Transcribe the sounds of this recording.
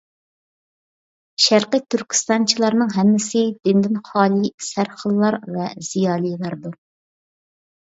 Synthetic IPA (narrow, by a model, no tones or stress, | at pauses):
ʃæɾqit̪ʰːyɾkʲʰi̥st̪ɑnt͡ʃʰilˠɑɾnɨŋɦɛmːɪsɪd̪ɪnd̪ɪnχɑːlˠisæɾχəlˠːɑɾvɛz̥ijɑːlˠijlˠɑɾd̪u